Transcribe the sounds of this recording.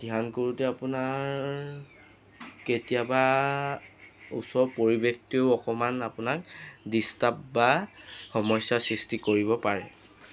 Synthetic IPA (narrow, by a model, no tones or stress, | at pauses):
d̥iɦankoɹutɛapʊnaɹ | ketijaba | ṵsɔɹpoɹibektioʊɔkɔmanapʊnak̚distap̚baxɔmɔjsːasɹistikoɹiβɔpaɹɛ̰